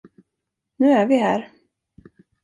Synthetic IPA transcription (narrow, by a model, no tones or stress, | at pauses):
nʉ̟ːæɾvɪɦæ̰ːɾ